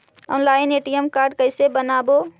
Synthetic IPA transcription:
ɔ̰ːnlaːɪneːʈijəmkaːɾɖkəɪsebənaːbo

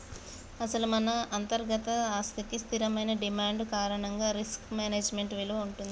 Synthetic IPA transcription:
ɐsɐlumɐnɐʔːnt̪ɐɾɡɐt̪ɐaːst̪ikist̪ʰiɾɐmɐjnɐɖimaːɳɖkaːɾɐɳɐŋɡaːɾiskmaːneːd͡ʒme̞ɳʈʋilɐʋɐuɳʈund̪i

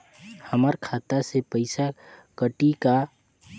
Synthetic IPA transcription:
həməɾkʰaːt̪asepəɪsakəʈika

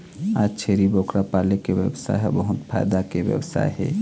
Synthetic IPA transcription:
ad͡ʒt͡ʃʰeːɾibokɾapaːlekewjəwsa̰jɦɛ̰bəɦʊt̪pʰa̰ːjd̪akebjə̰wsa̰ːjɦɛ̰

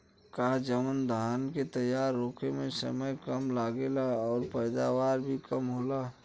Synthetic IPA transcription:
kaːɦd͡ʒəmənd̪ʱaːnket̪əjːaːɾːoːkemẽsə̰məjkəmlaːɡelaɔːɾpəːd̪awaːɾbʱikəmɦoːlaː

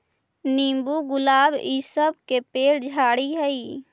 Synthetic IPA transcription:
nĩːmbuɡʊlaːbisəb̚ʱkepeːɽd͡ʒʱaːɽiɦəi

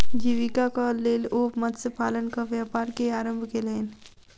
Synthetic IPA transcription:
d͡ʒiːʋikakaleːloːpməd̪sepaːlənkaʋjaːpaːɾkeaːɾə̃mbʱkeleːn

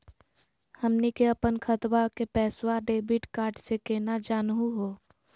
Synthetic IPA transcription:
həmnikeəpənkʰət̪wakepɛːswaɖeːbɪʈkaːɾʈsekeːnad͡ʒaːnɦuɦoː

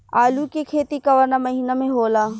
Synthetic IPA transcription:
aːlukekʰeːt̪ikɐʋəɾnamɐɦiːnamẽɦoːlaː

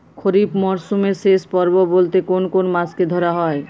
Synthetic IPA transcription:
kʰoɾipmɔɾsumesespɔɾbɔbolt̪ekonkonmasked̪ʱɔɾaɦɔe

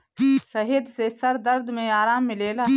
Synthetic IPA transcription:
sɐɦed̪sesɐɾd̪əɾd̪mẽaːɾaːmːɪleːlaː

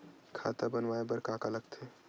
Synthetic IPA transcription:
kʰa̰t̪abənʋaebəɾkakaləɡt̪ʰe

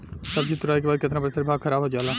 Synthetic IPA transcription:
səbd͡ʒit̪uɾaːjkebaːd̪ket̪ɾãpəɾit̪ʰɐɾibʱaːɡkʰɐɾaːbad͡ʒala

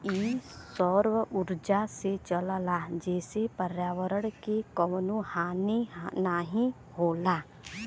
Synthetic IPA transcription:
iːsɔːɾʋʊɾd͡ʒaset͡ʃəllad͡ʒɛːsepəɾjaːwəɾəɽkekəmnuhaːnenaɦĩ | ɦoːlaː

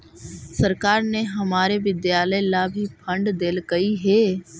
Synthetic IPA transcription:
sɐɾkaːɾneɦɐmaːɾeʋɪd̪jaːləjlabʱipʰɐ̃ɳɖd̪eːlkɐiɦeː

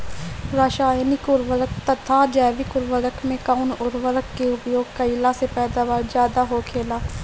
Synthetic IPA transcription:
ɾaːʃaːeniːkʊɾʋəɾək̚t̪ət̪ʰaːd͡ʒɛːʋiːkʊɾʋəɾəkmẽːkaʊnʊɾʋəɾəkːeʊpjoːɡ̚kəɪlaːseːpɛːd̪aːbaːɾd͡ʒjaːd̪aːɦoːkʰeːlaː

